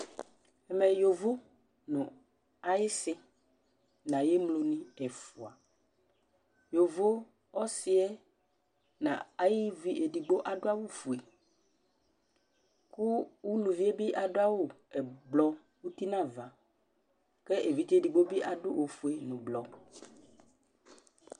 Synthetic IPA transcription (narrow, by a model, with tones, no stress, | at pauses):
ɛ˨mɛ˨jo˨vo˦ | nʊ̃˨ | a˨jɪ˦sɪ˦ | nã˨je˦mlo˨nĩ˦ɛ˨fu˨a˨ | jo˨vo˦ | ɔ˦sɪ˦ɛ˦ | nã̰˨a˨jɪ˦vi˦ʔe˨di˨ɡ͡bo˦ʔa˨dʊ˦a˦wo˦fu˨e˨ | ku˦wu˦lu˨vi˦e˦bi˦ʔa˨dʊ˦a˦wo˦˨ | ɛ˨blɔ˦ | wu˦t̪i˦nã˦˨va˨ | kɛ˦ʔe˨vi˨˦t̪e˦˨di˨ɡ͡bo˦bi˦ʔa˨dʊ˦ʔo˨fu˨e˨nʊ̃˨blɔ˨